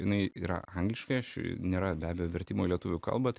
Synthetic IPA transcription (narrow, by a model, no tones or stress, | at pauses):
jɪnɐɪiːɾɐ̰ɐŋɡlʲɪʃkɐɪɐʃnʲeːɾɐbʲæːbʲejoːʋʲɛɾʲt̪ʲiːmoːilʲiɛt̪ʊʋʲʊkɐ̰lˠbɐt̪